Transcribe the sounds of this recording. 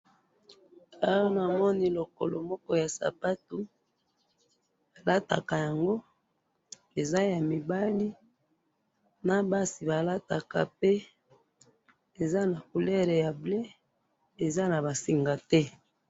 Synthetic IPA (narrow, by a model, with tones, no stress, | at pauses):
a˦wɔ˦na˨mɔ˦ni˦lo˨ko˨lo˨mɔ˦kɔ˦ja˨sa̰˨pa˦tu˨ | a˨la˦ta̰˨ka˨ja˨ŋɡo˦ | e˨za˦ja˨mi˨ba˦li˦ | na˦ba˦si˨ba˨la˦ta˨ka̰˨pe˦ | e˨za˦na˨ku˨lɛ˦ʁe˨ja˨ble˦ | e˨za˦na˨ba˨si˨ŋɡa˨tɛ˦